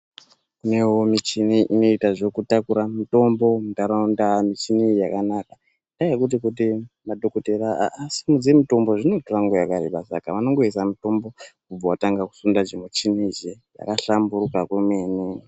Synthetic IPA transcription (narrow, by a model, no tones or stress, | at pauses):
kune̞womit͡ʃiniʔino̞itaʐo̞kutakuɾamito̞mbo̞mutaɾandamit͡ʃinijakanaka | ndaekut̬ikut̬imaɗokoteɾa̰ːsimud͡ziemito̞mbo̞ʐinotoraŋɡojakaɾḛbasa̰kaʋano̞ŋɡo̞is̬amito̞mbo̞kub͡vawataŋɡaku̥sundad͡ʒemut͡ʃinid͡ʒeja̰kaɬambuɾukakumeːni